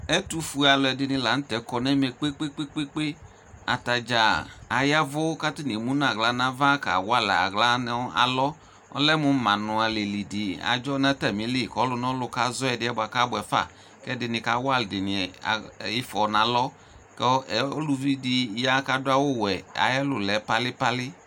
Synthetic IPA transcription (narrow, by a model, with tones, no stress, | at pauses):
ɛ˦tu˦fu˨˦a˨lʊ˨ɛ˨dɪ˧nɪ̃˧la˨˦n̩˦tɛ˨˦kɔ˧nɛ˦mɛ˧k͡pe˦k͡pe˦k͡pe˦k͡pe˦k͡pe˦ | a̰˨ta˨d͡ʒa˨a˨ja˦vʊ˦ka˦tɪ˦ni˨mu˦n˦a˨ɡla˨˦nã˦va˦ka̰˨wa˦˨la̰˨ɡla˦n˦a̰˨lɔ˦ | ɔ̰˦lɛ˦mʊ˨˦mã˨nʊ˨a˨le˨li˨dɪ˨a̰˨d͡ʒɔ˦na˦tɛ˦˨mi˨˦li˦˨kɔ˨˦lʊ˧nɔ˦lʊ˧ka˨˦zɔ˦ɛ˨dɪ˦ɛ˦ba˨ka˦bʊ˨ɛ˨fa̰˦˨ | kɛ˦dɪ˨nɪ˨ka˨˦wa˦˨ldɪ˨nɪ˨a̰˨i˦fɔ˨nã˨˦lɔ˦ | kɛ˦˨˦ɔ˦lu˧vi˦dɪ˧ja˦ka˨dʊ˦a˦wo˦˨wɛ˨a̰˨jɛ˦lʊ˨lɛ˨˦pa˧lɪ˦pa˦lɪ˦